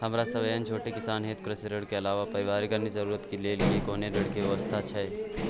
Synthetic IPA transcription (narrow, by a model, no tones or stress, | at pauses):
hɐmɾasɐʋəjənt͡ʃʰoːʈekɪsaːnɦeːt̪̚kɾɪseɾəɽkeɐlaːʋapɐɾɪʋaːɾikənizɐɾuːɾət̪kileːlɡiikoːneɾəɽkiʋɛʋəst̪ʰat͡ʃʰɛ